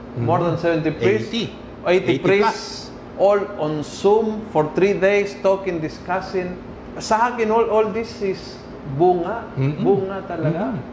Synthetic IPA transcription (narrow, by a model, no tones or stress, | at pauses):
moɾd̪ɐnsɛvɛnt̪ipɾis | ʔejt̪ɪpɾis | ʔolɔ̃nsumfɔɹθɾid̪ejst̪okɪ̃nd̪ɪskasɪ̃n | sɐhakɪnolold̪isɪs | buŋaʔbuŋat̪ɐlɐɡa